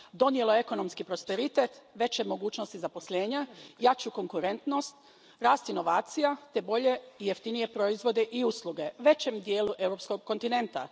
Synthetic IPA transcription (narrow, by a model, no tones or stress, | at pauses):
d̪o̞nje̞lo̞eko̞no̞mskipɾo̞spe̞ɾit̪et̪ʋe̞t͡ɕemo̞ɡuːt͡ʃnost̪izapo̞sʎe̞ːɲajat͡ɕuko̞ŋkuɾe̞nt̪no̞st̪ | ɾaːst̪ino̞ʋaːt̪sijat̪e̞bo̞ʎe̞ije̞ft̪inije̞pɾo̞izʋo̞d̪e̞ʔiuslˠuɡe̞ʋe̞t͡ɕemd̪je̞ːluʔe̞wɾo̞psko̞ɡkːo̞nt̪ine̞nt̪a̰